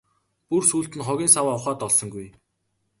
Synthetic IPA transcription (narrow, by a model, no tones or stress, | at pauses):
pursuːɬt̪ɘ̆nχɔɣʲiːnsawaːʊχaːt̪ɔɮsɞ̆ŋɡuj